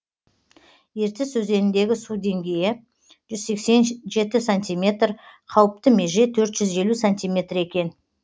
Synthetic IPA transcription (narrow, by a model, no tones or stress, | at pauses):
je̞ɾt̪ɪswɵze̞nɪnd̪e̞ɡʲɪsud̪e̞ŋɡʲe̞jɪ | ʒ̥ʏzse̞kse̞nʒe̞t̪ɪsanʲt̪ʲijmʲe̞t̪rqʰɑwəp̚t̪əme̞ʒe̞t̪ʰɵɾt̪ʒ̥ʏze̞lusanʲt̪ʲijmʲe̞t̪re̞kʲe̞n